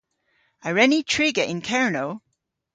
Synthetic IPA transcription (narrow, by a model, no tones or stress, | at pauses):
aɹɛnitʰɹ̥iɡəʔɪ̃nkʰɛɹnoʊ